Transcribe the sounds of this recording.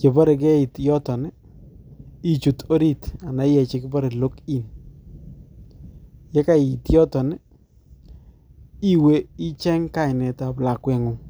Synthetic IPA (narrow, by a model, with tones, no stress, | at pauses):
ke˨ba˦ɾe˨k̬ɛ˦i˨tjɔ˦tɔ˨n˦ | i˦t͡ʃu˨to˦ɾi˦ta˨na˨˦jɛ˨t͡ʃɪ˦kɪ˦ba˦ɾe˨lo˦ki˦˨n | jɛ˦ka˦˨ji˨tjɔ˦tɔ˨n˦ | i˦we˦i˦t͡ʃɛ˦ŋka˦˨ɪ˨nɛ˨ta˨pla˨kwɛ˨ŋʊ˦